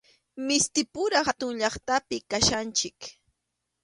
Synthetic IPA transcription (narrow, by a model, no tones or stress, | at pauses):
mɪst̪ɪpʊɾɑhat̪ʊŋʎɑχt̪apɪkaʃant͡ʃɪk